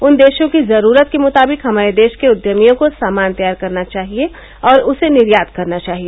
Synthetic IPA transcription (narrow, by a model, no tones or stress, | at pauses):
ʊnd̪eːʃõkizɐɾuːɾət̪̚kemʊt̪aːbɪkɦɐmaːɾed̪eːʃkeʊd̪jəmijõkosaːmaːnt̪ɐjaːɾkɐɾnat͡ʃaːɦie | ɔːɾʊsenɪɾjaːd̪̚kɐɾnat͡ʃaːɦieː